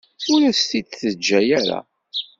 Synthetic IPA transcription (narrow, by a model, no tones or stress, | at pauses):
ʊɾæst̪id̪θəd͡ʒːæjæɾa̰